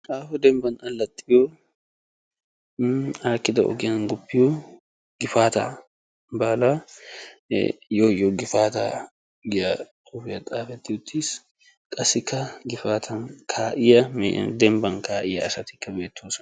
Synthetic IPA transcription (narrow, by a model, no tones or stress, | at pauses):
ʔaːfɔd̪ɛmbɐnɐlːɐt̪ʼːɪjoː | aːkːɪd̪ɐɔ̰ɡɪjɐnɡʊpːɪjo | ɡɪfaːt̪a̰ | baːla̰ | joːjːɔɡɪfaːt̪a | ɡɪjɐ | kʊːfɪjɐt̪ʼaːfɛt̪ːɪjʊt̪ʰːɪs | kʼɐsɪkːɐɡɪfaːt̪ʰɐnkʰaːʔɪjɐm̰d̪ɛmbɐnkʰaːʔɪjɐɐsɐt̪ɪ̥kːɐbeːt̪ʰːoːsɐ̥